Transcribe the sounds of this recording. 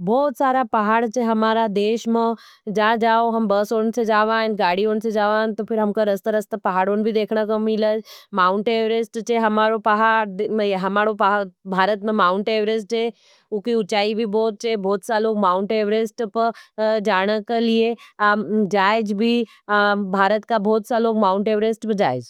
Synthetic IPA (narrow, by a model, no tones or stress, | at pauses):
bɔːt̪saːɾapɐɦaːɽt͡ʃeɦɐmaːɾad̪eːʃmẽ | d͡ʒaːd͡ʒaːoɦɐmbəsoːnsẽd͡ʒaːʋaːnɡaːɽioːnsẽd͡ʒaːʋaːnt̪opʰɪɾɦɐmkəɾəst̪əɾəst̪əpɐɦaːɽoːnbʱid̪eːkʰɽ̃əkəmɪləmaːʊɳʈeːʋɾesʈt͡ʃeɦɐmaːɾopɐɦaːɾd̪meɦɐmaːɽopabʱaːɾət̪mẽmaːʊɳʈeːʋɾesʈeː | ʊkiʊt͡ʃaːibʱibɔːt̪̚t͡ʃeːbʱɔːt̪saloːɡmaːʊɳʈeːʋɾesʈpəd͡ʒaːɽ̃əkelie | d͡ʒaːɪd͡ʒbʱi | bʱaːɾət̪kabʱɔːt̪saloːɡmaːʊɳʈeːʋɾesʈbʱid͡ʒaːɪd͡ʒ